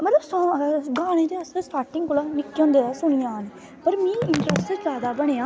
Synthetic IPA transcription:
mət̪ləbsɔːɡaːɽ̃ẽːd̪eːəssʈaːɾʈɪŋɡkʊlaːnɪkːõːnd̪eːaːsʊɽ̃ijãːneː | pəɾmĩːɪɳʈɾɛsʈzaːd̪aːbəɽ̃eːaː

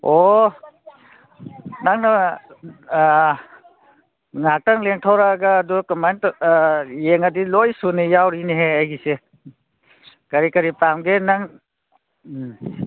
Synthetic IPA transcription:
o | naŋnɐ | ŋak̚taŋleŋtʰawɾaɡaːdukamajnt | jeŋɐdilojsunijawɾineɦeajɡise | kɐɾikɐɾipamɡenaŋ

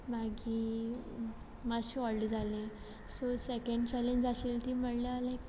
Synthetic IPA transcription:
maɡʱiː | maɕiɔlɖd͡zʱale | sosekə̃ɳɖt͡ɕɛleɲd͡ʑaselt̪iːməɽlaalẽ

